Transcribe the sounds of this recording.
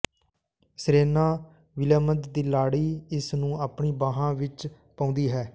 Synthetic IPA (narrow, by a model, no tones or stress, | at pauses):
sɾeːnaː | ʋɪlaːməd̪d̪iːlaːɽiːɪsnũːaːpɳiːbaːɦãːʋɪt͡ʃ | pãːʊ̃nd̪iːɦɛː